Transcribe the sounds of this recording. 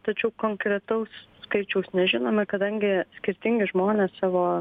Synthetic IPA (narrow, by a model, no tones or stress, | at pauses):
t̪ɐt͡ʃʲɛʊkoːŋkɾʲɛt̪ɐʊsːkɐɪt͡ʃʲɛʊsnʲɛʒʲɪnoːmɐkɐd̪ɐŋʲɡʲɪsʲkʲɪɾʲt̪ʲɪŋʲɡʲɪʒmoːnʲeːssɑːʋoː